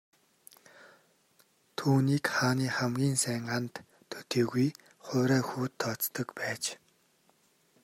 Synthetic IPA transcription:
t̪ʰuːniːkχaːniːχamɡʲiːnsæːɴɢaːnt̪ʰː | ɵ̥t̪iːɣuj | χʊːɾæːxuːt̪ʰːɔt͡st̪ə̆kpæːt͡ɕ

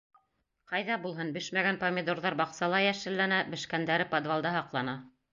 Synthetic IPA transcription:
qɑjðɑbulˠɦɤnbɘʃmæɡænpomʲɪd̪oɾðɑɾbɑqsɑlˠɑjæʃɘ̆lːænæbɘ̆ʃkænd̪æɾɘpod̪valˠd̪ɑɦɑqlˠɑnɑ

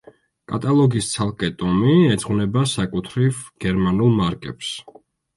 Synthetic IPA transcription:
kʼat̪ʼalˠɔɡist̪sʰalˠkʼɛt̪ʼɔmiɛd̪zʁwnɛbasakʼut̪ʰɾivɡ̥ɛɾmanulˠmaɾkʼɛps

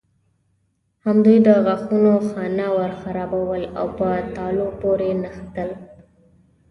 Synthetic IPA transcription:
hamd̪ujd̪əɣaxunoxɑnawəɾxaɾɑbawəla̰wpət̪ɑlopoɾenəxt̪əl

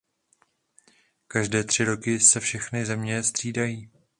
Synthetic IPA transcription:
kaʒdɛːt̪r̝̥ɪɾo̞kɪsɛfʃɛxnɪzɛmɲɛst̪r̥iːdajiː

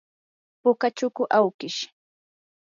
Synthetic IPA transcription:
pʊkat͡ʃʊkʊʔawkɪʃ

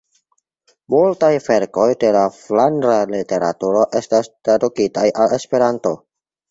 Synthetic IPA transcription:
multajfe̞ɾko̞jde̞laflandɾalite̞ɾa̰tuɾo̞ʔe̞stastɾadukitajale̞spe̞ɾanto̞

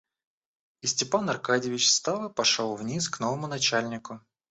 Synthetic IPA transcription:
ɪsʲtʲɪpanɐrkadʲɪvʲɪt͡ɕst̪alˠəpɐʂolˠvnʲisknovəmʊnɐt͡ɕalʲnʲɪkʊ

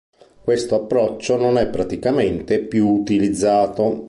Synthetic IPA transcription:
kwest̪oapːɾɔt͡ʃːononɛpːɾat̪ikament̪epjuːt̪ilid̪zːaːt̪o

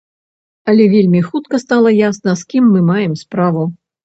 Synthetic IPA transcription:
ɐlʲɛvʲelʲmʲixut̪kɐst̪alˠɐjasnɐskʲimːɨmajɛmspɾavu

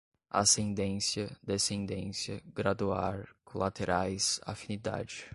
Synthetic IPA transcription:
a̰sẽnd̪ẽsjɐd̪esẽnd̪ẽsjɐɡɾad̪uaɾkʰõlat̪eɾʔajsa̰finid̪a̰d͡ʒɪ

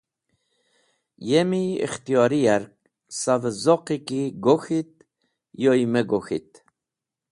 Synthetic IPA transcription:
jemiḭχt̪ijɔɾijæɾk̚ | savəzɔqikiɡoxit̪̚ | jojmeɡoxit̪̚

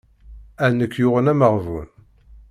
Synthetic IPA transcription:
ænːəkːjʊʁənæməʁvṵn

